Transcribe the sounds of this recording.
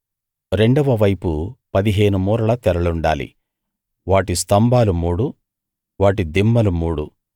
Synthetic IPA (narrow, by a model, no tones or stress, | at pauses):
ɾe̞ɳɖɐʋɐʋɐjpupɐd̪iɦe̞ːnumuːɾɐɭɐt̪ɛɾɐɭuɳɖa̰ːlḭ | ʋaːʈist̪ɐmbʱaːlumuːɽu | ʋaːʈ̬id̪imːɐlumuːɽu